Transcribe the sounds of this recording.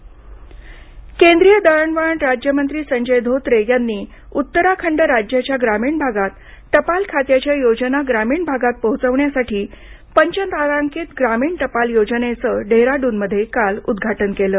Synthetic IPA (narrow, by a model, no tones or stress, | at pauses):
kend̪ɾijəd̪əɭəɳʋaɳɾad͡ʑjəmənt̪ɾiːsəɲd͡ʑəjd̪ʱot̪ɾejanːiː | ut̪ːəɾakʰəɳɖəɾad͡ʑjat͡ɕjaɡɾamiːɳbʱaɡat̪ː | əpalkʰat̪jat͡ɕjajod͡ʑənaɡɾamiːɳbʱaɡat̪̚pəɦut͡səʋɳjasaʈiː | pəɲt͡ɕənt̪aɾaŋkit̪ɡɾamiːɳt̪əpaljod͡zənet͡səɖeɾaɖuːnməd̪ʱːjekalud̪ɡʱaʈənkeləː